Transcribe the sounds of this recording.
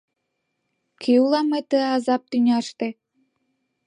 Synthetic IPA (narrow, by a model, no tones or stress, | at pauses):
kiulɑmet̪əɑzɑp̚t̪ynʲɑʃt̪e